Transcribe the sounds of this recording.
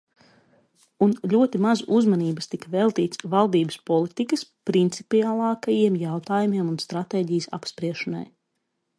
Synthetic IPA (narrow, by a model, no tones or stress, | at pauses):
unʎʲuɔt̪imazuzmaniːbəst̪ikvɛlˠt̪iːt̪svalˠd̪iːbəspɔlˠit̪ikəspɾint̪sipiaːlˠɑːkajiɛmjawt̪aːjumʲiɛmunst̪ɾat̪eːɟijəsa̰pspɾiɛʃɔna̰j